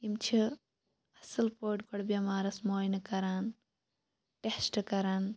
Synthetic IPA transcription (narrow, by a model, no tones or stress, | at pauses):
imt͡ʃʰi | ɐsɨlpoːʈkɔɽbɐmaːɾɐsmoːjnɨkɐɾaːn | ʈesʈɨkɐɾaːn